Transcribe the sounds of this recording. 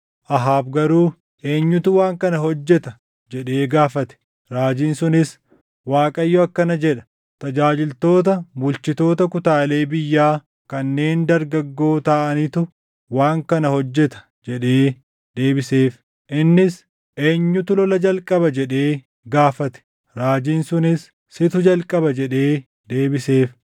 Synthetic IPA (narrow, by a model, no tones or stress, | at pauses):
ʔɐɦaːbɡɐɾuː | ʔe̞ːɲːʊt̪ʊwaːŋkɐnɐɦɔd͡ʒːɛt̪ɐ | d͡ʒɛᶑeːɡaːfɐt̪ɛ̥ | ɾaːd͡ʒiːnsʊnɪs | waːkʼɐjːɔɐkːɐnɐd͡ʒɛᶑɐ̥ | t̪ɐd͡ʒaːd͡ʒɪlt̪o̞ːt̪̬ɐbʊlt͡ʃɪt̪o̞ːt̪ɐkʊt̪aːle̞ːbɪjːaː | kɐnːe̞ːnd̪ɐɾɡɐɡːo̞ːt̪aːʔɐnɪt̪ʊ | waːŋkɐnɐhɔd͡ʒːɛt̪ɐ̥ | d͡ʒɛᶑe̞ː | d̪e̞ːbɪseːf | ʔɪnːɪs | ʔe̞ːɲːʊt̪ʊlɔlɐd͡ʒɐlkʼɐbɐd͡ʒɛᶑe̞ː | ɡaːfɐt̪ɛ̥ | ɾaːd͡ʒiːnsʊnɪsː | ɪt̪ʊd͡ʒɐlkʼɐbɐd͡ʒɛᶑe̞ː | d̪e̞ːbɪseːf